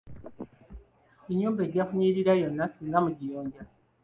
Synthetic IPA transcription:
eɲuːmbeɟakuɲiːɾiɾajonːasiːŋɡamuɟijoːɲɟa

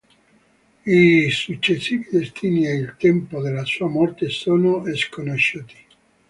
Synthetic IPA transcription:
isut͡ʃːesiːvid̪est̪ʰiːnieilt̪ɛmpod̪elːasuːamɔrt̪esoːnoeskonoʃːuːt̪i̥

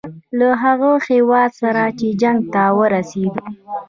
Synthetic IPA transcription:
laɦaɣəxewɑd̪saɾat͡ʃed͡ʒaŋɡ̚t̪awəɾased̪u

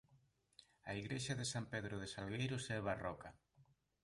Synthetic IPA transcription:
aiɣɾeʃaðɪsampeðɾʊðɪsalɣejɾʊsɛβarɔka

